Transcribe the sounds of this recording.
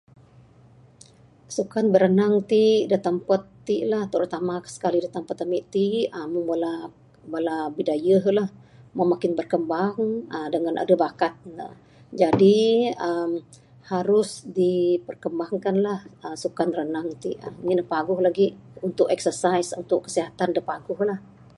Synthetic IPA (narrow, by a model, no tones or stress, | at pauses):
sukanbəɾənaŋt̪idət̪əmpət̪ːiʔlaht̪əɾut̪amḁsə̥kalidat̪əmpat̪əmiʔt̪iaməŋbala | balabidajəɦlahməmakɪnbərkəmbaŋədəŋanʔa̰dəbakat̪̚nə̰ | d͡ʒadiəm | haɾʊsdipərkəmbaŋkanlahəsukanrənaŋt̪iʔənidəpaɡʊhlaɡiunt̪ʊkɛksərsaisunt̪ʊkːə̥siɦat̪andəpaɡʊhlah